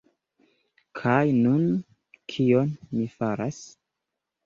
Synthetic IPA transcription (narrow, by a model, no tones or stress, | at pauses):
kʰajnun | kʰionmifaɾas